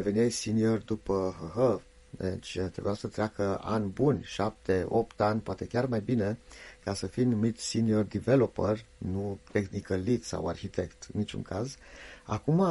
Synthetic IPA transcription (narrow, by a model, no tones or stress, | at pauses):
eve̞niejsiniord̪upəɦəɦə | d̪ḛt͡ʃʲt̪ɾe̞bujasət̪ɾʲeakəa̰nʲbunʲʃap̚t̪eo̞p̚t̪anʲpoat̪e̞kʲarmajbine̞kasəfinumit̪siniord̪ivelo̞pərnut̪exnikəlːit̪sa̰wa̰rçit̪e̞kt̪ɨ̰nːit͡ʃṵŋkʰaza̰kuma